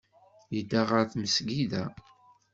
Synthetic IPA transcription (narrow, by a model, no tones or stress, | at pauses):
jid̪aʁəɾθməsɡiðæ